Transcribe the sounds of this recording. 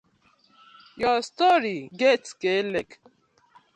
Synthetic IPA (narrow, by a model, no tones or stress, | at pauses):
jɔstɔɾiɡetkelek